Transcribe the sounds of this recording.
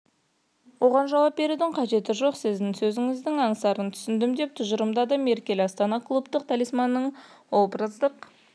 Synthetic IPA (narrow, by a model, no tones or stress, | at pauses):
wo̞ʁɑnʒɑlw̪ɑp̚be̞ɾud̪ɪɴqʰɑʒe̞t̪ɪʒo̞qsɪzd̪ɪŋsɵzɪŋɪzd̪ɪŋɑɴsɑɾənt̪ʰʏ̥sɪnd̪ɪmd̪e̞p̚t̪ʰʊʒəɾəmd̪ɑd̪ɑme̞ɾkʲe̞lʲɑst̪ɑnɑkʰlˠupt̪əq̚t̪ʰælijsmɑnːəɴ | olˠpɾəzd̪əq